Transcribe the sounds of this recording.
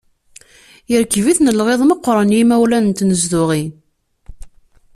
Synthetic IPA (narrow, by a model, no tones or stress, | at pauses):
jəɾkːviθnəlʁeðˤməqːɾənjimæwlænənt̪nəzd̪ʊʁi